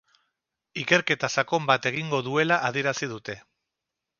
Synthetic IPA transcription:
ike̞ɾke̞t̪asako̞mbat̪e̞ɣ̞iŋɡo̞ðue̞laʔað̞ie̞ɾasið̞ut̪e̞

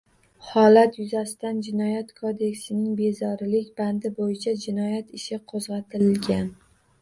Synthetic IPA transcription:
hɒlat̪jʊzasɪt̪and͡ʒɪnɒjat̪kʰod̪e̞kʲsɪnɪŋbe̞zɒɾlɪkʲband̪ɪbojɪt͡ʃʰad͡ʒɪnɒjat̪ɪʃɪqʰozʁɑt̪ʰɪlɪlɡʲan

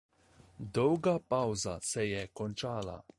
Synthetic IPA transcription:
d̪ɔwɡapawza̰sɛjɛkɔnt͡ʃaːla̰

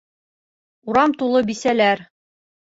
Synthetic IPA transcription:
uɾɑmt̪ulˠɤbisælæɾ

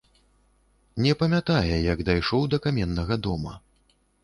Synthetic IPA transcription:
nʲɛpɐmʲat̪ajɛjɐɡd̪ajʂɔwd̪ɐkamʲɛnːɐɣɐd̪ɔmɐ̰

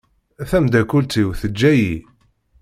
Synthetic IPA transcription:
æθæmd̪ækult͡s̪iwθəd͡ʒːæji

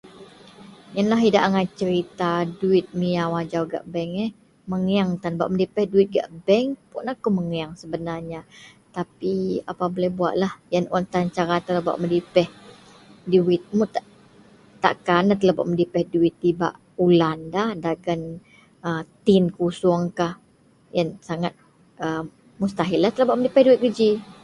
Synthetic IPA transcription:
janlaɦidaʔaŋat͡ʃəɾit̪aduɪt̪̚miawad͡ʒawɡa̰ʔbɛŋəh | məŋaŋt̪anba̰ʔmədipɛhduɪt̪̚ɡa̰ʔbɛŋpuʔnakuməŋaŋsəbənarɲa | t̪apia̰pabolɛhbua̰ʔ̪lahjanɔnt̪ant͡ʃaɾat̪əlaba̰ʔmədipɛh | duɪt̪̚mut̪aʔ | t̪a̰ʔkanat̪əlaba̰ʔməndipɛhduɪt̪ːiba̰ʔ | ulandahdaɡan | ət̪ɪnkusuəŋkah | jansaŋat̪̚ | ʔə | must̪aɦɪlːaht̪əlabaʔmədipɛhduɪt̪̚ɡəd͡ʒi

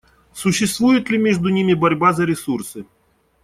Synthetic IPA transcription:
sʊɕːɪst̪vujʊt̪lʲimʲeʐd̪ʊnʲimʲɪbɐɾʲbazɐɾʲɪsursɨ

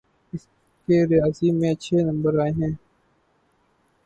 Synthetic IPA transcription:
ɪs | keɾɪjaːzimẽːɐtːʃʰenɐ̃mbəɾaːeɦɛ̃ː

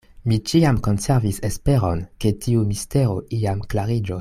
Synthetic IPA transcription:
mit͡ʃiamko̞nse̞ɾvisespe̞ɾo̞nke̞tʰiumiste̞ɾo̞ʔiamklaɾid͡ʒos

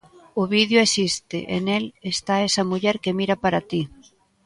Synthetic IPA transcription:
ʊβiðjʊesist̪ɪ̰ʔḛnelest̪aesɐmuʎɛɾkemiɾɐpaɾat̪i

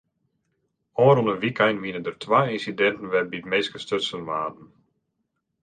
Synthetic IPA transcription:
ɔːɾunənʋikʰajnʋinədərtʰʋajinsidɛntən̩ʋɛbitmeːskəstøtsənʋaːdn̩

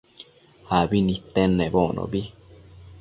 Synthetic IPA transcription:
habinĩt̪enːẽbonʔo̰bi

